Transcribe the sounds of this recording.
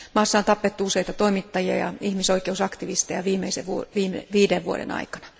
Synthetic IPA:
mɑːsːɑont̪ɑpːet̪ːuuseit̪ɑt̪oimit̪ːɑjiɑ̰jɑ̰ihmisoikeusɑkt̪iʋist̪ejɑʋiːmeisḛʋuoʋiːmḛʋiːdeʋʋuoɾḛnɑ̰ikɑ̥nɑ̥

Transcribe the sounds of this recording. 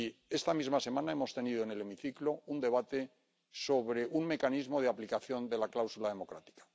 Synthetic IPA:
ie̞st̪amizmase̞mãnaemo̞st̪e̞niðoene̞le̞miθiklound̪e̞β̞at̪e̞ | so̞βɾe̞ʔuŋme̞kanizmo̞ð̞eaplikaθjo̞nd̪e̞laklawsulaðe̞mo̞kɾa̰t̪i̥kḁ

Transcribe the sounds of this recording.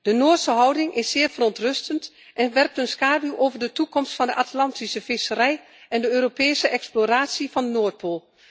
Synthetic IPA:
d̥ənoːtsəɦɑwdɪŋʔɪsːɪːɹvərɔntrɵstənt | ʔɛnʋɛrk̚tənskaːduʔoːvədətukɔmstfɑndəʔatlɑntisəfɪsərɛj | ɛndəøːropeːsəʔɛksploraːtsifɑndənoːt̚pʰoːlˠ

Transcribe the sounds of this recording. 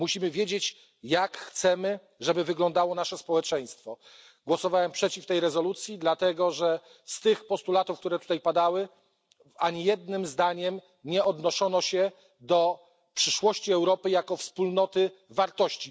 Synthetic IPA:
muɕimɘvʲjed͡ʑet͡ɕ | jakxt̪sɛmɘ | ʐɛbɘvɘɡlɔnd̪awɔnaʂɛspɔwɛt͡ʂɛj̃st̪fɔ | ɡwɔsɔvawɛmpʂɛt͡ɕift̪ɛjɾɛzɔlut̪sʲjid̪lat̪ɛɡɔʐɛ | st̪ɘxpɔst̪ulat̪ufkt̪uɾɛt̪u̥t̪ajpad̪awɘ | aɲijɛd̪nɘmzd̪aɲɛm | ɲɛɔd̪nɔʂɔnɔɕɛ | d̪ɔ | pʂɘʂwɔɕt͡ɕiɛwɾɔpɘjakɔfspulnɔt̪ɘvaɾt̪ɔɕt͡ɕi

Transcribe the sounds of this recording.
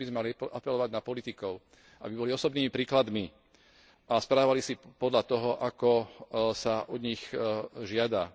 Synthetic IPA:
bizmɛmaliʔapɛlɔʋaɟnapɔlit̪ikɔʊ | ʔa̰bibɔliɔsɔbniːmipɾiːklad̪mi | aspɾaːʋalisipɔd̪lat̪ɔɦɔʔakɔsaʔɔd̪ɲixʒɪad̪a

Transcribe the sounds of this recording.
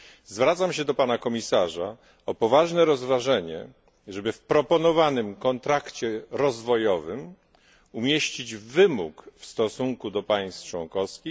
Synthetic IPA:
zvɾat̪samɕɛd̪ɔpanakɔmʲisaʐa | ɔpɔvaʐnɛɾɔzvaʐɛɲɛ̰ | ʐɛbɘfpɾɔpɔnɔvanɘmkɔnt̪ɾakt͡ɕɛɾɔzvɔjɔvɘm | umʲjeɕt͡ɕid͡ʑvɘmukfst̪ɔsuŋkud̪ɔpaj̃st̪t͡ʂwɔŋkɔfskʲi

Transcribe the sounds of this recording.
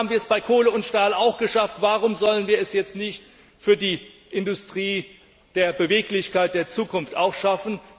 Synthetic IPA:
bm̩viːɐɛsb̥aɪkʰoːləʊntʃtaːlaʊxɡ̥əʃaftv̥aːʁʊmzɔlənviːɐɛsjɛt͡stnɪçt | fyːɐdiː | ʔɪndʊstʁ̥iː | d̥eːɐbəveːklɪçkaɪt̚d̥eːɐt͡suːkʰʊnftaʊxʃafn̩

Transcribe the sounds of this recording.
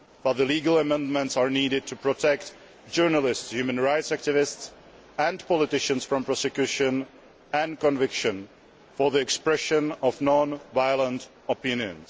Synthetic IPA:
fəðəliːɡəlˠəmɛ̃ndmɛ̃ntsaɹniːɾɪd̚tʰupɹɔtʰɛkt | d͡ʒɜɹnəlɪstshjʉːmə̃nɹajtsæk̚tɪvɪsts | ɛ̃ndpɔlɪtɪʃə̃nsfɹɔ̃mpɹɔsɛkjuʃə̃n | ɛ̃nkɔ̃nvɪkʃə̃n | fɔɹðiɛkspɹɛʃə̃nɔfnɔ̃nvajlə̃nt | ɔpɪ̃njə̰̃ns

